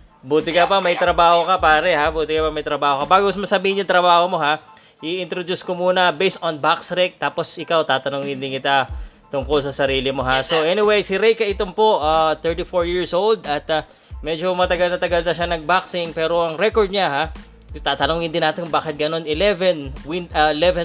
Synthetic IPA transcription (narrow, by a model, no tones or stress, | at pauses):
buːt̪ɪkɐpɐmɐjt̪ɾɐbaːho̞kɐpaːɾɛhabuːt̪ɪkɐpɐmɐjt̪ɾɐbaːhokɐbaːɡosmɐsɐbiːhɪnjʊŋt̪ɾɐbaːhomo̞ɦa | ʔɪʔɪnt̪ɾod̪uskomuːnɐbejst̪onbaksɾɛk̚t̪aːpo̞sʔɪkawt̪aːt̪ɐnoŋɪnd̪ɪnkɪt̪a | t̪ʊŋkolsɐsɐɾiːlɪmo̞ɦaso̞ʔɛnɪwejsɪɾɛjkɐʔɪt̪ompo̞ʔat̪ɛɹt̪ifoɹjiɹsowld̪ɐt̪ɐ | mɛd͡ʒomɐt̪ɐɡɐlnɐt̪ɐɡɐlnɐʃanɐɡ̚baksɪŋpɛːɾo̞ʔɐŋɾɛkoɹd̪̚ɲaɦa | t̪aːt̪ɐnoŋɪnd̪ɪnaːt̪ɪnbaːkɪt̪̚ɡɐno̞nɪlɛvɛnwɪnɐʔɪlɛvɛ